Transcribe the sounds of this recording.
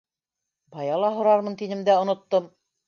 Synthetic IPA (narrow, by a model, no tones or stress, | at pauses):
bɑjɑlˠɑɦŏɾɑɾmɤnt̪inɘ̆md̪æŏnŏt̪ːom